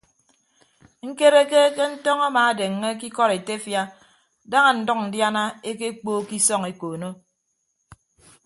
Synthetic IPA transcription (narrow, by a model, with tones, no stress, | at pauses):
ŋ̩˦ke˦ɾe˦ke˦ke˦n̩˦tɔ˦ŋa˦maː˨a˨de˨ŋːe˦k̬i˦kɔ˦ɾe˨te˦fja˦ | da˦ŋa˨n̩˨dɔ˦k̚n̩˨dja˦na˦e˦ke˦k͡poː˦ki˦sɔ˦ŋe˨koː˨no˦